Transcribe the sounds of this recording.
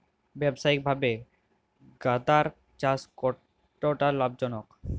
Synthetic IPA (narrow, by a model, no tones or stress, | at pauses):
bɛbʃaik̚bʱabe | ɡad̪aɾ | t͡ɕaskɔʈː | oʈalabd͡ʑɔnok